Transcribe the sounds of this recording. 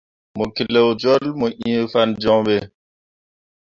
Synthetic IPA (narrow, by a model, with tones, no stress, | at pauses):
mo˨ki˨le˨wd͡ʒɔ˦lmo˨ʔĩ˦e˦fa˦nd͡ʒɔ˦ŋɓe˦